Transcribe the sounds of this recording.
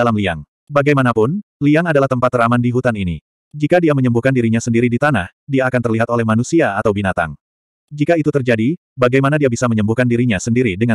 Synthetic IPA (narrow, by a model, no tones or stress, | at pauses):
alamlia̰ŋ | baɡajmanapʊnliaŋadalaht̪əmpat̪ːəɾamandiɦut̪aninḭ | d͡ʒikadiaməɲəmbuhkandiɾiɲasəndiɾidit̪anah | diaːkant̪ərliɦat̪olɛhmanusiaːt̪awbinat̪a̰ŋ | d͡ʒikait̪ut̪ərd͡ʒadi | baɡajmanadiabisaməɲəmbuhkandiɾiɲasəndiɾidəŋa